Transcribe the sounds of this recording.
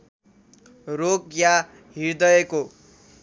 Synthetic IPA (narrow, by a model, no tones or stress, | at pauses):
rokja | ɦiɾd̪ʌeko